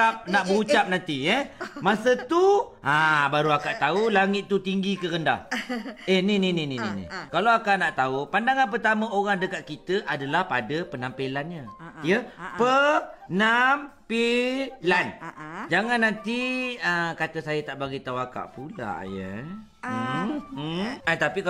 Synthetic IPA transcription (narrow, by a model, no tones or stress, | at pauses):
ap̚naʔbəut͡ʃap̚nant̪ijəmasət̪uabaɾuakaʔt̪aulaŋɪt̪̚ːut̪iŋɡikəɾənda̰hehnininininḭnḭkalaakaʔnaʔt̪aupandaŋanpərt̪aməoɾaŋdəkaʔ̪̚kit̪əʔadalahpadəpənampelanɲəjəpənampeland͡ʒaŋanːant̪iəkat̪əsajat̪aʔbaɡit̪auaka̰ʔpula̰ʔjə̰ | ət̪apik